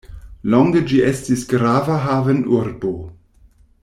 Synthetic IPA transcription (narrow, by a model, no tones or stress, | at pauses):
lɔŋɡəd͡ʒiʔɛstisɡ̥ɾaːvɐɦaːvənʔuɾbo